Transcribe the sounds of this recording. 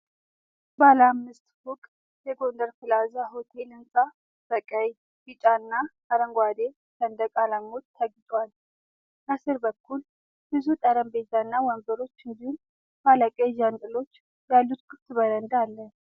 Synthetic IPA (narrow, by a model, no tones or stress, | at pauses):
balamːɨst̪hukʼ | jɛɡo̞nd̪əɾfɨlazaɦot̪ʰe̞lɨnsʼa | bəkʼəj | bɨt͡ʃʼanːa | aɾəŋɡʷwad̪e | t̪ənd̪əkʼalaŋːot̪t̪ʰːəɡt̪ʼwal | kəsɨɾbəkʰːul | bɨzut̪ʼəɾəmbe̞t̪anːawɔmbəɾo̞t͡ʃːɨnd̪ihum | falakʼed͡ʒant̪ʼɨlo̞t͡ʃː | jalːut̪kʰɨt̪ːbəɾənd̪alːə